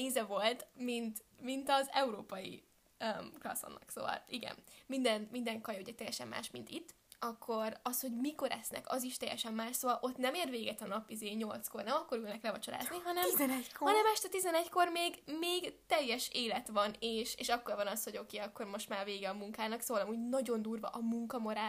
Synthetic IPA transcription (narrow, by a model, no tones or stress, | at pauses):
eːzɛvo̞lt̪mint̪ | mint̪ɒzɛuɾoːpɒjḭ | øklɒ̰so̰nːɒ̰kso̰ːvɒ̰liɡɛ̰nmind̪ɛnmind̪ɛŋkɒjuɟɛt̪ɛjːɛʃɛmːa̰ːʃmint̪it̪ː | ɒkʰːo̞ɾɒsho̞ɟmiko̞ɾɛsnɛ̰kɒ̰ziʃt̪ɛjːɛ̰ʃɛmːaːʃsoːvɒlʔo̞t̪nɛmeːrʋeːɡɛt̪ɒnɒpizeːɲo̞lt̪sko̞rnɛmɒkːo̞ɾylnɛklɛvɒt͡ʃola̰ːzniɦɒnɛmzhɒnɛmɛʃt̪ɛt̪izɛnɛcko̞rmeːɡmeːɡt̪ɛjːɛʃeːlɛt̪ʋɒneːʃeːʃɒkːorvɒnɒsho̞ɟo̞keːɒkːo̞rmo̞ʃt̪maːrveːɡɛɒmuŋkaːnɒksoːvɒlɒmuːɟnɒɟo̞nd̪uːrvɒ̰ʔɒmuŋkɒmoɾaː